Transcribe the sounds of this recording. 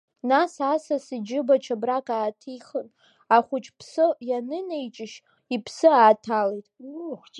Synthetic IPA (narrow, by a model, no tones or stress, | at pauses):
nasasasɨd͡ʒɪbat͡ʃʰabrakʼaːtʰiχən | aχʷʊt͡ʃʰʼpʰsɨjanɨnejt͡ʃʼɪʃ | ipʰsɨaːtʰalejtʼχʷ